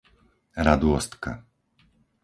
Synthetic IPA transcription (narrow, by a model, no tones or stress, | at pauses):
ɾad̪ʊɔst̪ka̰